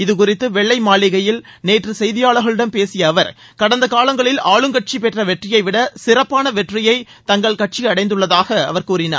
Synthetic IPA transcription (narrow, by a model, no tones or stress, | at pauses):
ɪðɯkʊrɪt̪ːɯʋɛɭːɐɪmaːɭɪɣɐjɪlneːʈrɯsɛjðɪjaːɭɯɣɐɭɪɽɐmpeːsɪjɐːʋɐɾ | kɐɽɐnd̪ɐkaːɭɐŋɡɐɭɪlaːɭɯŋkɐʈ̚t͡ʃipɛʈrɐʋɛʈrɪjɐɪʋɪɽɐsɪrɐpːaːnɐʋɛʈrɪjɐɪ | t̪ɐŋɡɐɭkɐʈ̚t͡ʃiɐɽɐɪnd̪ɯɭːɐðaːɣɐɐ̰ʋɐɾkuːɾɪna̰ːɾ